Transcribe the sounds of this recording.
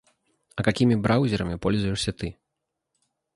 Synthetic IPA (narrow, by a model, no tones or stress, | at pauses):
ɐkakʲimʲibɾawzʲɛɾɐmʲipɔlʲzujɛʂsʲɐt̪ɨ